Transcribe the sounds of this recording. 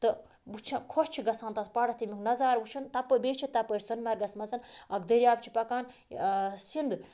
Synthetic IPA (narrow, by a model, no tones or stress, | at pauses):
t̪ɨ | ut͡ʃʰɐkʰot͡ʃʰiɡɐsaːnt̪ɐspɐɽɐst̪imʲiknɐzaːɾʋut͡ʃʰɐnt̪ɐpːɐbeːt͡ʃʰit̪ɐpəɾʲsɐnmɐɾɡɐsmɐsɐnɐkd̪ɐɾjaːbt͡ʃʰi̥pɐkaːn | sind̪ɨ